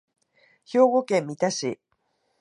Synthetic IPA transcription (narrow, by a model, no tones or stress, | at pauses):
ço̞ːɣo̞kẽmːit̪aɕi